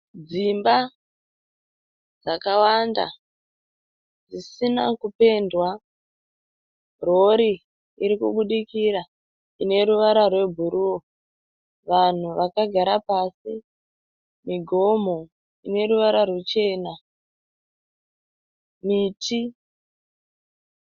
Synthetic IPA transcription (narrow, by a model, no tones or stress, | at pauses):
d͡zimba | d͡zakawanda̰ | d͡zisinakupe̞ndwa | ro̞ɾi | iɾikṵɓuɗikiɾa | ine̞ɾuʋaɾarwe̞bʱuɾuwo | ʋan̤uʋakaɡʱaɾapasi | miɡʱo̞m̤o̞ | ine̞ɾuʋaɾarwet͡ʃe̞ːna | miːtʰi